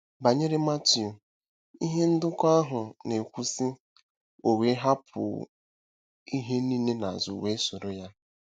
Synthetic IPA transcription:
ba˨ɲe˦ɾe˦ma˦ti˨u˨ | i˦ɦe˦n̩˦dʊ˦kʷa˦a˦ɦʊ˨ne˨kʷu˦si˦ | o˨we˨˦ɦa˦pʰʊ̰˨ | i˦ɦe˦ni˦ne˦na˨zʊ˨we˦sʊ˨ɾo˦ja˦

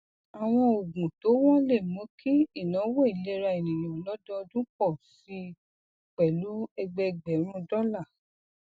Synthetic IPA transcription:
a˨w̃ɔ̃˧o˨ɡũ˨to˨˦wɔ̃˦le˦˨mõ˨˦kʰi˦i˦˨nã˨˦wɔ˦i˨le˦ɾa˧˨e˨nĩ˨nĩ˨ɔ˨lɔ˦dɔ˦˧dũ˦kɔ˦˨fi˧ | k͡pɛ˨lu˨˦ɛ˧ɡ͡bɛ˧ɡ͡bɛ˨˦ɾ̃ũ˧dɔ˦la˦˨

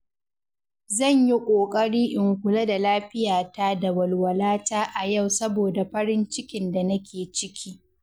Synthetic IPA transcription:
zɐ˦˨ɲji˦kʷʼoː˨kʼɐ˦ɽiː˦ʔɪ˨ŋkʷʊ˨la˦da˨laː˦ɸɪ˦jaː˨ta˦da˨wɐ˨lwɐ˨laː˦taː˦ʔa˨ja˦˨wsɐ˦boː˨da˨ɸɐ˦ɽɪ˦nt͡ʃɪ˦kʲɪ˨nda˨nɐ˦kʲʰeː˨t͡ʃɪ˦kʲʰiː˦

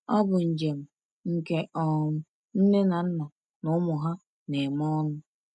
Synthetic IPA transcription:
ɔ˦bʊ˨n̩˨d͡ʒe˨m̩˨ | ŋ̩˨ke˦ʔɔ˨m̩˦ | n̩˦ne˦na˨n̩˦na˨ | nʊ˨˦mʊ˨ɦa˦ | ne˨mɔ˦nʊ˦

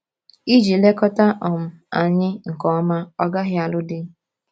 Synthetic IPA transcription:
i˦d͡ʒi˨le˦kɔ˦ta˦ʔɔ˨m̩˨ | a˨ɲɪ˦ŋ̩˨kɔ˨˦ma˦ɔ˦ɡa˦ɦɪ˦a˨lʊ˦dɪ˦

